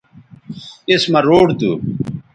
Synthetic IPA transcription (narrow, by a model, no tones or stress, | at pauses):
ismɐɾoːɖd̪ṵ